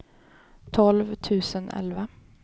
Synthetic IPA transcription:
t̪ʰɔlʋt̪ʰʉːsənʔɛ̰lʋə

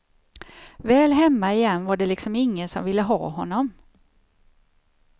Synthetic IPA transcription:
vɛːlɦɛmːaɪjɛnːvaɖɛlɪksɔmɪŋːənsɔmvɪlːəɦɑ̰ːɦɔnːɔm

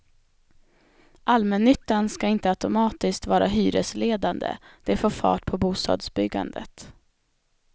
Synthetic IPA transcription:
ʔalmɛnːʏt̪ːanskaɪnt̪əat̪ʊmɑːt̪ɪskt̪vɑːɾaɦyːɾəsleːd̪and̪ə̰d̪̥ɛfoːɾfɑ̰ːʈpʰɔbuːst̪ɑ̰ːd̪sbʏɡːa̰nd̪ə̰t̪

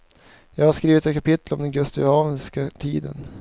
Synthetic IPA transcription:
jɑːɡhaʂkɾiːvɪt̪ɛt̪kʰapɪt̪ːəlɔmd̪ɛnɡɵst̪ɪhɑːvənskat̪ʰiːd̪ə̰n

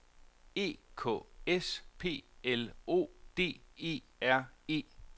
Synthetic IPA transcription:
e̝̰ːkʰɔ̰̽espʰe̝̰ːelo̝̰ːd̥e̝̰ːe̝̰ːæɐ̰e̝̰ː

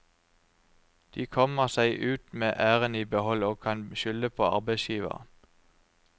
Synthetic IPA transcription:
d̪̥iːkʰɔməʁsæɪʔʉːt̪meːʔæːʁəniːbəhɔloːkʰɑnʃʏləpʰoːɑ̰ʁbæɪsjiːʋə̰ʁ

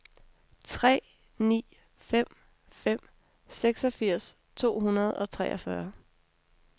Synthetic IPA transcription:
t͡sʰʁɛ̰ː | nḭː | fem̰ | fem̰ | seɡ̥sɒ̽fiɐ̰s | t͡sʰo̝̰ːɦunɐð̞̩ˠɒ̽t͡sʰʁɛːʔɒfɶɐ

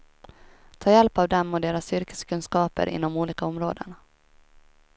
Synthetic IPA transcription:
t̪ʰɑːjɛlpavd̪ɛmːɔd̪eːɾasːʏɾkə̥skʰɵnskɑːpə̰ɾʔɪ̰nːɔmuːliːkaɔmɾoːd̪ə̰n

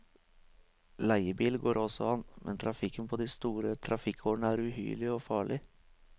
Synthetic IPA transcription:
læɪəbiːlɡoːɾʔɔsɔ̰ɑnːmʔɛ̰nt̪ʰɾɑfɪkːənpʰɔd̪ɪst̪uːɾət̪ʰɾɑfɪkʰːoːɳəæɾʉɦy̰ːɭɪɔfɑːɭɪ

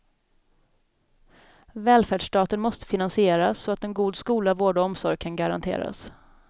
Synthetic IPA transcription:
vɛːlfæːɖʂʈɑːt̪ənmɔst̪ə̥fɪnansɪeːɾasːɔat̪̚d̪ɛnɡuːd̪skuːlavoːɖaɔmsɔɾjkʰanɡaɾa̰nt̪ʰḛːɾa̰s

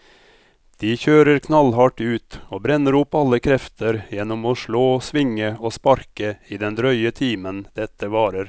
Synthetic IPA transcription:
d̪̥iːçøːɾəɾkʰnɑlɦɑʈʉːt̪oːbɾɛnəɾʊpːɑləkʰɾɛft̪ʰəɾjɛnɔmoːʂɭoːsʋɪŋəoːspɑɾkəiːd̪ɛnd̪ɾœʏət̪ʰiːmənd̪̥ɛt̪ʰːəʋɑːɾəɾ

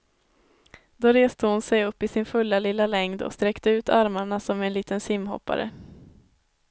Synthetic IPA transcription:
d̪̥oɾeːst̪əhʊnsɛjɵpːɪsɪnfɵlːalɪlːalɛŋd̪ɔ̰kst̪ɾɛkt̪əʉ̟ːt̪ʰaɾmaɳasɔmɛnliːt̪ənsɪmːɦɔ̰pːa̰ɾə̰

